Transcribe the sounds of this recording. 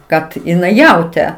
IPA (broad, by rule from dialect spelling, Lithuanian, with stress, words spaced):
ˈkɐt ɪˈnɐɪ ˈjɛʊtʲeː